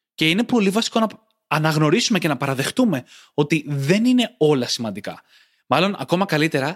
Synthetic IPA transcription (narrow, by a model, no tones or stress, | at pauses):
ce̞ine̞po̞livɐsi̥ko̞nɐ | ɐnɐɣno̞ɾisume̞ce̞nɐpɐɾɐðe̞xt̪ume̞ | o̞t̪iðe̞nine̞o̞lɐsimɐnd̪ikɐ̰ | mɐlo̞nʔɐ̰ko̞mɐkɐlit̪e̞ɾɐ